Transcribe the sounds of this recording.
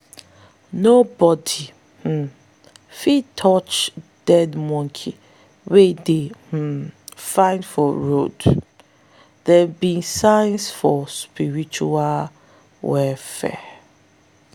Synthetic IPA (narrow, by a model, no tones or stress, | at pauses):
nobɔdi | h̩ | fitʰɔt͡ʃd̥ɛdmɔ̃ŋkʰi | wedeh̩fãɪ̃ndfɔɹod | ðɛbĩnsãɪnsfɔspiɹit͡ʃual | wɛfɛ̰